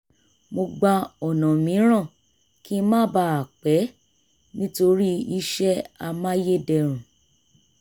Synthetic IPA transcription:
mo˧ɡ͡ba˧ɔ˨nã˨mĩ˨˦ɾ̃ã˦˨ | ki˦mãː˦ba˧˦a˨k͡pɛ˨˦ | nĩ˦to˧ɾi˦i˦ʃɛ˦a˧mã˦je˦dɛ˧˨ɾ̃ũ˨

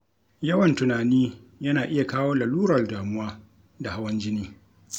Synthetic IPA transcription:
jɐ˦wɐ˨ntʊ˨naː˨niː˦jɐ˦naː˨ʔɪ˦ja˨kaː˦woː˦lɐ˨luː˦ɾɐ˨rdaː˨mʊ˦waː˦ | da˨ha˦wɐ˦nd͡ʒɪ˦niː˦

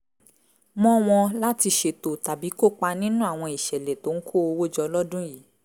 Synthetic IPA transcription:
mɔ̃˦w̃ɔ̃˧la˦ti˧ʃe˧to˨ta˨bi˨˦ko˦˨k͡pa˧nĩ˦nũ˦a˦˨w̃ɔ̃˧i˨ʃɛ˨lɛ˨to˨˦ŋ̩˦kʰo˦˨o˧wo˦˨d͡ʒɔ˧lɔ˦dũ˦jiː˨˦

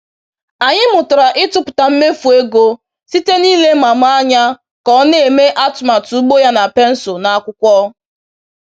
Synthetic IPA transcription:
a˨ɲɪ˦mʊ˨tʊ˨ɾa˨ʔɪ˦tʊ˦pʊ̥˨ta˨m̩˦me˦fu˨e˦ɡo˦ | si˦te˦niː˦le˦ma˨m˦a˦ɲa˦ | kɔ˦n˦e˨me˦ʔa˦tma˨tu˨u˦ɡ͡bo˦ja˦na˨pe˦n̩˦sʊ˨na˨a˦kʷʊ˦kʷɔ˦

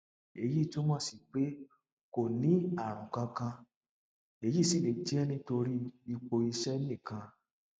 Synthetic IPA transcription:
e˧˦ji˦˨to˦mɔ̃˦˨si˨k͡pe˦ | ko˨nĩ˨˦a˦˨ɾ̃ũ˨kã˧kã˧ | e˧˦ji˦˨si˦˨le˨˦ti˦ɛ˦nĩ˧˦to˧ɾi˦i˧k͡po˧i˧ʃɛ˦nĩ˦˨kã˧

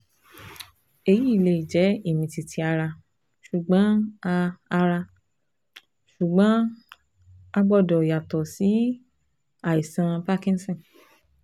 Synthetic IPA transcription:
e˧ji˨˦i˦˨le˧i˨d͡ʒɛ˨˦i˦˨mĩ˧ti˨tʰi˧˦a˧ɾa˧ | ʃu˨ɡ͡bã˨˦a˧a˧ɾa˧ | ʃu˨ɡ͡bã˨˦ | a˧ɡ͡bɔ˧˨dɔ˨ja˨tɔ˨si˨˦ | a˦˨i˨sã˧pa˦kĩ˦n˦sɔ̃˦˨n

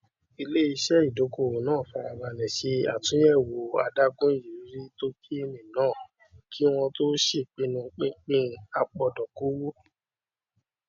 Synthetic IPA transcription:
i˧le˦i˧ʃɛ˦i˦˨do˨˦ko˦˨wo˨nãː˦˨fa˧a˧wa˧˨nɛ̃˨ʃe˧a̰˨tũ˨˦jɛ˦˨wo˨a̰˧da˦ɡũ˦d͡ʒi˨ɾi˨˦ɾi˦to˦kʰi˦e˧mĩ˨nãː˦˨ | kʰi˦w̃ɔ̃˧to˦ʃe˦˨k͡pĩ˧˦nũ˧k͡pĩ˦k͡pĩ˦˧˦a˧k͡pɔ˧dɔ˨ko˨˦wo˦

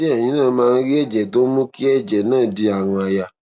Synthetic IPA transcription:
ɛ˦˨j̃ĩ˨˦nãː˦˨˦mãː˦˧n̩˦ɾi˦ɛ˦˨d͡ʒɛ˨to˦mõ˦ki˦ɛ˦˨d͡ʒɛ˨nãː˦˨di˧a˨w̃ɔ̃˧a˨ja˨

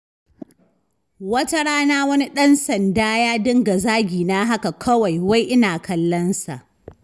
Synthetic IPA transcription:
wɐ˦ta˦ɽaː˦naː˦wɐ˦ni˦ɗɐ˦nsɐ˨ndaː˦jaː˦dɪ˦ŋɡa˨zaː˦ɡʲiː˨naː˦ɦa˦ka˨kʰɐ˦wa˨jwa˦jʔɪ˦naː˨kʰɐ˦lːɐ˦nsa˨ʔ

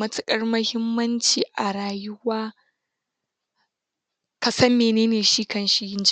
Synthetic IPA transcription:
mɐ˦tʊ˦kʼɐ˦rmɐ˦hɪ˦mːɐ˦nt͡ʃiː˨ʔa˨ɾaː˨jʊ˦waː˦ | kɐ˨sɐ˦mːeː˨neː˦neː˨ʃiː˦kɐ˦nʃi˦jɪ˦nd͡ʒ

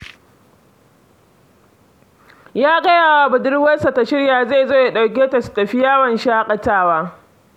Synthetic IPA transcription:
jaː˦ɡɐ˦jaː˨waː˦bʊ˨dɪ˦ɽwɐ˦sa˨ta˨ʃɪ˦ɽjaː˨za˦˨jzoː˦ja˨ɗa˨wk̬ʲeː˦ta˨su̥˨tɐ˨ɸi˦jaː˦wɐ˨nʃaː˦kʼɐ˨taː˦waː˦

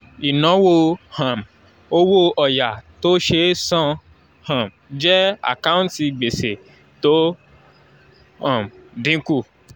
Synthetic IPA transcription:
i˨nã˨˦wo˧hã˨m | o˦wo˦ʔɔ˨ja˨to˦ʃe˧˦sã˦˧ | hã˨m | d͡ʒɛ˦a̰˨kã˦ũ˦nti˧˨ɡ͡be˨se˨ | to˨˦ | ã˨mdĩ˨˦ku˦˨

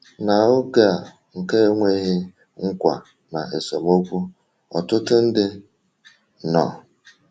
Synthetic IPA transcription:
na˨ʊ˦ɡa˨ | ŋ̩˨ke˦ŋʷe˦ɦe˦ | ŋ̩˦kʷa̰˨ | na˨e˨so˨mo˦kʷu˦ | ɔ˨tʊ˦tʊ˦n̩˦dɪ˦ | nɔ̰˨

